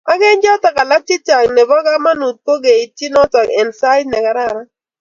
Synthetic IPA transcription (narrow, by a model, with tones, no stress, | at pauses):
a˦ɡe˦nd͡ʒɔ˦ta˨ka˨la˦ti˦ta˨ŋne˨bɔ˦ɡa˦ma˦nu˨t̚po˦ɡe˨i˨ti˦nɔ˦tɔ˨kɛ˨nsa˦ɪ˦dnɛ˨ka˨ɾa˦˨ɾa˦